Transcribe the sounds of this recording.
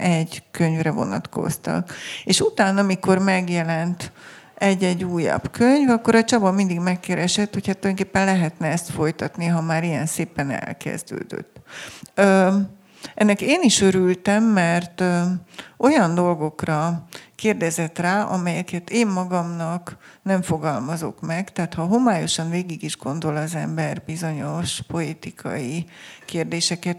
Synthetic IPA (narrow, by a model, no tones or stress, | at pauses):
ʔɛɟkø̞ɲvrɛvo̞̰nɒ̰t̪ko̞̰st̪ɒ̰keːʃut̪aːnɒmiko̞rmɛɡjɛlɛnt̪ | ɛɟːɛɟːuːjɒ̰bkøɲvɒkːo̞ɾɒt͡ʃɒbɒmind̪iɡmɛkːɛɾɛʃɛt̪ːho̞cʰat̪ːojnŋkeːpːɛnlɛɦɛt̪nɛɛst̪fo̞jt̪ɒt̪niɦɒmaːɾijɛnseːpɛnɛ̰lkɛ̰zd̪ø̰ːd̪ø̰t̪ːø | ʔɛnːɛkeːniʃø̞ɾylt̪ɛmːɛrt̪øo̞jɒnd̪o̞lɡo̞krɒkeːrd̪ɛzɛt̪raːʔɒ̰mɛjɛkɛt̪eːmːɒɡɒmnɒknɛɱfo̞ɡɒlmɒzo̞̰kmɛɡt̪ɛɦaːt̪hɒɦo̞maːjo̞ʃɒnveːɡiɡiʒɡo̞nd̪o̞lɒzɛmbɛrbizo̞ɲo̞ʃpo̞lit̪ikʰɒ̰jikeːrd̪eːʃɛkɛt̪